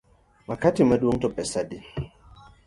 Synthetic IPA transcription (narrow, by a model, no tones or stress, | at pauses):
wakatimaduwoŋ̩tɔpɛsadi